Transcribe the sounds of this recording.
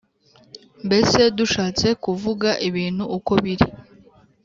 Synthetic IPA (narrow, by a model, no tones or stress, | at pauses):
mbe̞se̞duʃaːt͡se̞kuvuɡaʔiβiːnhuːko̞βiɾi